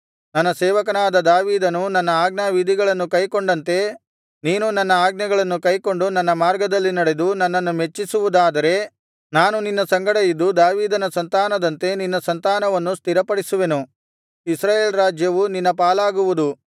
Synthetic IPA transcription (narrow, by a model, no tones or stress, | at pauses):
nɐnːɐsɛːʋɐkɐnaːd̪ɐd̪aːʋiːd̪ɐnunɐnːɐaːɡnaʋid̪ʱiɡɐɭɐnːukɐjko̞ɳɖɐnt̪e̞ | niːnunɐnːɐaːɡnɐɡɐɭɐnːukɐjko̞ɳɖunɐnːɐmaːɾɡɐd̪ɐlːinɐɽe̞d̪unɐnːɐnːumet͡ʃːisuʋud̪aːd̪ɐɾe̞ | naːnuninːɐsɐŋɡɐɽɐjid̪ːud̪aːʋiːd̪ɐnɐsɐnt̪aːnɐd̪ɐnt̪e̞ninːɐsɐnt̪aːnɐʋɐnːust̪iɾɐpɐɽisuʋe̞nu | isɾaːjeːlɾaːd͡ʒjɐʋuninːɐpaːlaːɡuʋud̪u